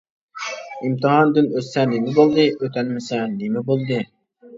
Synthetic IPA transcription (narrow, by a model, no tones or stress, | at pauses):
imt̪ʰɨɦɑnd̪ynøsːɛnemɪbolˠd̪ɨʔøt̪ʰɛnmɪsɛnemɪbolˠd̪ɨ